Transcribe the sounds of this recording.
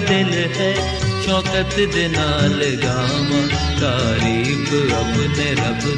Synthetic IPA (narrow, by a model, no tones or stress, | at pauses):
d̪ɪl | ɦɛː | t͡ʃʰɔːkət̪d̪eːnaːlɡaː | mã | t̪aːɾiːbɐbneːɾɐb